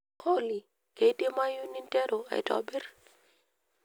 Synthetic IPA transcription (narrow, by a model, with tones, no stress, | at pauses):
kʰo˦li˨ | ke˨˦te˦ma˦ju˦ni˦ntɛ˦ɾo˨a̰˨ɪ̰˨tɔ̰˨bɪ˦r